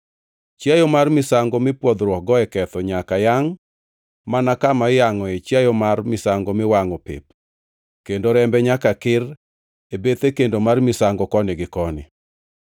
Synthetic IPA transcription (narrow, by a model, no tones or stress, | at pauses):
t͡ʃjajɔmarmɪsaŋɡɔmɪpwɔd̪ɾwɔk̚ɡɔɛkɛt̪ɔɲakajaŋ | manakamajaŋɔet͡ʃjajɔmarmɪsaŋɡɔmɪwaŋɔpɪ̰p̚ | kendoɾɛmbɛɲakakɪr | ebet̪ekendomarmɪsaŋɡɔkɔnɪɡɪkɔnɪ̰